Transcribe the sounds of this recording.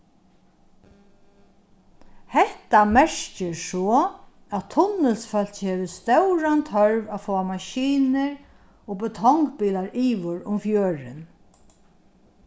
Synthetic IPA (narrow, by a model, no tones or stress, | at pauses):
hɛht̪amɛɹ̥cɪsɔː | æt̪ʰːʊnːɪlsfœl̥t͡ʃhɛːʋɪst̪œwɹant̪ʰœɹʋafɔːamaʃiːnɪɹ | oːbɪt̪ʰɔŋkpiːlaɹiːʋʊɹʊmfjøːɹɪ̰n